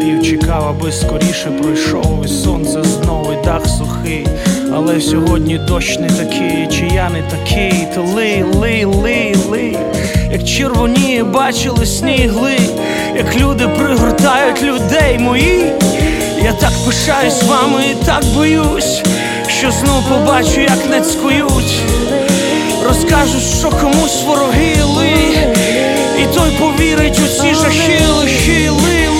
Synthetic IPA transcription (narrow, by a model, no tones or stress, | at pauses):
iwt͡ʃɪkɑʋɐbɪskɔɾʲiʃɛpɾɔjʃɔ̰wʋɪsɔ̰nt̪sɐznɔwɪjd̪ɑxsʊxɪ | ɐ̰lˠɛsʲɔɦɔdʲnʲit̪ɔt͡ʃnɪt̪ɐkʰɪjt͡ʃijanɪt̪ɐkʰɪjt̪ɪlˠɪlˠɪlˠɪlˠɪj | jɐkt͡ʃerʋʊnʲijɛbɑt͡ʃɪlˠɪsʲnʲijɦlˠɪ | jɐklʲud̪ɪpɾɪɦɾɔt̪ɑjʊtʲlʲʊd̪ɛjmɔji | jat̪ɑkpɪʃɑjʊsʲʋɑmɪit̪ɑkbɔjusʲ | ʃt͡ʃɔznɔwpɔbɑt͡ʃʊjɐknɛsʲkɔjutʲ | rɔskɑʒʊʃt͡ʃɔkɔmusʲʋɔɾɔɦɪlˠɪ | it̪ɔjpɔʋʲiɾɪtʲʊsʲizɐʃɪlˠɪʃ | lˠɪ